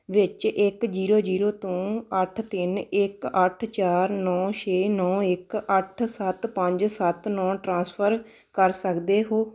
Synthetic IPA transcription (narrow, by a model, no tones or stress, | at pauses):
ʋɪt͡ʃʔɪkd͡ʒiːɾoːd͡ʒiːɾoːt̪õːəʈʰt̪ɪnɪkəʈʰt͡ʃaːɾnɔːʃʰeːnɔːɪkəʈʰsət̪pə̃ɲd͡ʒsət̪nɔːʈɾãːspʰəɾ | kəɾsəkd̪eːɦoː